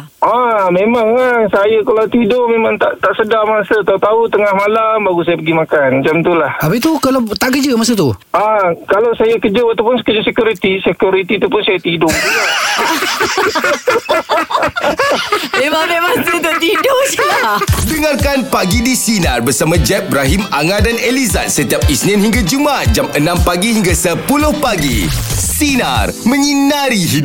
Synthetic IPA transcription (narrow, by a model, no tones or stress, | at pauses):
ʔamemaŋaŋsajəkalat̪idʊmemãŋt̪aʔt̪aʔsədamasət̪aut̪aut̪əŋahmalambaɡusajapəɡimakanmat͡ʃamt̪ulahapəit̪ukalawt̪aʔkəd͡ʒəmas̬ət̪uakalawsajakəd͡ʒoat̪awpʊnskəd͡ʒəsəkjuɾit̪isəkjuɾit̪it̪upʊnsajat̪idʊŋd͡ʒuɡaŋ | memaŋmemaŋt̪it̪uʔt̪idʊʔsiladəŋarkanpaɡidisinarbərsamãd͡ʒɛp̚bɾaɦimaŋadaneliza̰t̪̚sət̪iap̚isnĩnhiŋɡad͡ʒumat̪̚d͡ʒamənãmpaɡiɦiŋɡasəpulʊhpaɡḭsina̰rmə̃ɲinaɾiɦi